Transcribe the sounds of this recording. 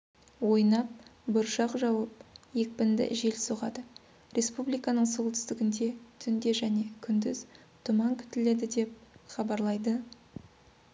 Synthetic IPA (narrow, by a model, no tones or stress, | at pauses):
wo̞jnɑp̚bʊɾʃɑqʒɑwɑp̚je̞k̚pɪnd̪ɪ̰ʒe̞lsoʁɑd̪ə | ɾʔe̞spublijkɑnəɴsulˠt̪ʰʏ̥st̪ɪɡʲɪnd̪e̞t̪ʰʏnd̪e̞ʒæne̞kʲʰʏnd̪ɪz̥ | t̪ʰʊmɑŋkʲʰʏ̥t̪ɪle̞d̪ɪd̪e̞p̚χɑbɑɾlˠɑjd̪ə